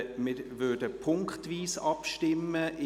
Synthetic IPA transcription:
mɪʋøɐdəpʰʊŋktʋiːsɑpʃtɪməʔɪ

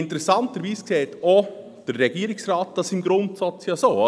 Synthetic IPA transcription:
ɪntɾɛsɑntəɾʋiːskseːto | d̥əɾːɛɡ̥iəɾɪksɾɑːt̚d̥ɑsɪmɡɾʊntsat͡sjɑːsoːɑ

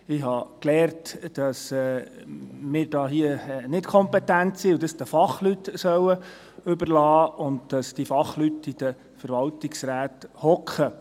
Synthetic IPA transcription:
ɪɦɑklɛːɾtd̥ɑsɛ | mɪːɾdɑːɦiənɪtkʰɔmpɛtæntsiʊd̥ɑsd̥əfɑχlytsœwə | ɵbəɾlɑːʊndd̥ɑsd̥ifɑχlytid̥ə | fəɾʋɑltɪksɾæːthɔkχə

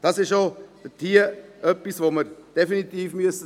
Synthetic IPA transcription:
d̥ɑsɪʃod̥ətʰiːəʔœpːisʋoməɾd̥efinit̪iːfmyəsə

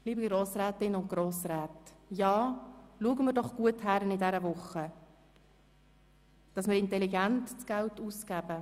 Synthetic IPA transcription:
liːbɡɾoːsɾɛːtɪnʊnt̚ɡ̥ɾoːsɾɛːtjɑːluəɡəmɪɾdɔχɡ̥uəthæɾənidɛɾəvʊχə | d̥ɑsmɪɾɪntɛliɡæntt͡sɡ̥æltusɡ̥ɛb̥ə

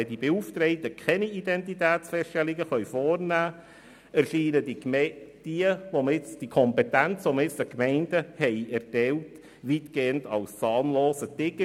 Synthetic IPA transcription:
ɛdib̥euːftɾɛɪtəkʰχɛniidɛntitæːt͡sfɛʃtɛlɪɡəχœʏfɔːrnæː | ærʃiːnədid̥iəvomɪt͡sd̥ikʰɔmpɛtænt͡sʋoməɾɪt͡səkmɛɪnd̥əhɛɪɛɾtɛwt | ʋiːtɡ̥eːəndɑlst͡sɑːnloːsətɪɡə

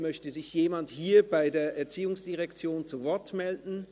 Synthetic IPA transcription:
mœçtəzɪçjeːmanthiːɐbaɪdeːɐʔɛɐt͡siːʊŋsd̥iʁɛkt͡sjoːnt͡suvɔɐtmɛldn̩

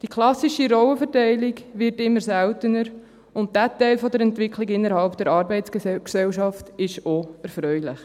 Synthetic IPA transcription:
d̥ikʰlɑsiʃiɾɔwəfəɾtæɪlɪɡʋɪɾtɪmːəɾsɛltənəɾ | ʊnt̚d̥ætɛɪlfɔdəɾɛntʋɪkʰliɡɪnːəɾhɑlpd̥ɛɾɑːɾbɛɪtt͡skksɛwʃɑftɪʃoɛɾfɾœʏlɪχ

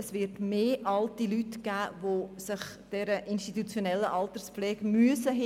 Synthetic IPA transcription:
ɛsvɪɾtmeːʔɑltilytɡ̥æːvosɪχ | d̥ɛɾəʔinʃtitut͡sjonɛlːəʔɑlt̪ərspflɛːɡ̥myəsəɦ

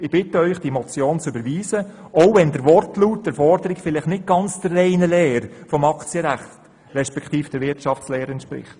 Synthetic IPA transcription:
ɪb̥ɪtəœʏχd̥imɔt͡sjoːnt͡sʏbəɾʋiːzə | oʊvɛndəɾʋɔrtluːt̚d̥əɾfɔɾdəɾɪkfɪlɪχnɪt̚ɡ̥ɑnt͡sd̥əːɛɪnəlɛːɾfɔmɑkt͡sjəɾæχtt | ɾɛʃpɛkʰχt̪iːfd̥əɾʋɪɾtʃɑft͡slɛːɾɛntʃpɾɪ̰χt

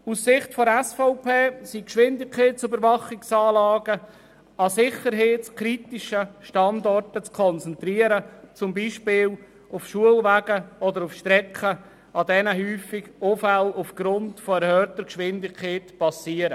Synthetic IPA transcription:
ussɪχtfɔɛsfɔʊpʰeːsikʃʋɪndɪkkʰχeːtsybəɾvɑχɪksɑːlɑːɡ̥ə | ɑsɪχəɾɦeːtskʰɾitiʃəʃtɑndɔrtət͡skʰɔnt͡sɛnt̪ɾiəɾət͡sʊmbiːʃpɪːl | ufʃuəlvæːɡəɔdəɾufʃtɾɛkχə | ɑdɛnəɦyːfɪɡofælufɡ̥ɾʊntfɔɛɾhœːtəɾkʃʋɪndɪkʰχeːtpɑsiəɾə

